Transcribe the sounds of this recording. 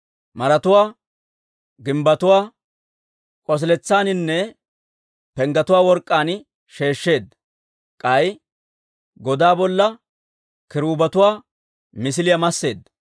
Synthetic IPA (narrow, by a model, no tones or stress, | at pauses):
mɐɾɐt̪ʊwaː | ɡɪmbɐt̪ʊwaː | kʼɔs̬lɛt͡sːaːnɪnːɛ | pɛŋɡɐt̪ʊwaːwɔɾkʼːaːn | ʃe̞ːʃːe̞ːd̪ | kʼɐj | ɡɔd̪aːbɔlːɐ | kɪɾuːbɐt̪ʊwaː | mɪsɪlɪjɐmɐsːe̞̰ːd̪ːɐ